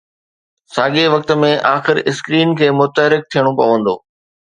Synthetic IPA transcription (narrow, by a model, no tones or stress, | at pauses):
saːɠeʋɐk̚t̪ə̆mẽʔaːxɪɾɪskɾiːnkʰeːmʊt̪əɦɾɪk̚t̪ʰijəɽ̃opɐ̰ʋə̃nd̪o̰ː